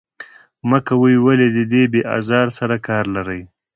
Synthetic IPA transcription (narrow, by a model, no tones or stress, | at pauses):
məkawəjwaled̪əd̪ebeʔɑ̰zɑɾsaɾakɑɾlaɾəj